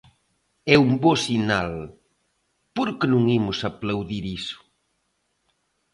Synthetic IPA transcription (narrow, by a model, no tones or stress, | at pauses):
ɛumbosinal | poɾkenũŋimʊsaplawðiɾisʊ̥